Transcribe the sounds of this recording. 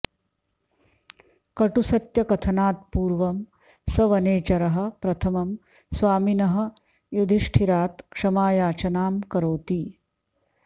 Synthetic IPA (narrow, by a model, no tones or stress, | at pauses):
kɐʈusɐt̪jɐkɐt̪ʰɐnaːt̪̚puːɾʋɐm | sɐʋɐneːt͡ʃɐɾɐɦɐ̆pɾɐt̪ʰɐmɐm | sʋaːminɐɦɐ̆ | jud̪ʱiʂʈʰiɾaːt̪kʂɐmaːjaːt͡ʃɐnaːmkɐɾoːt̪i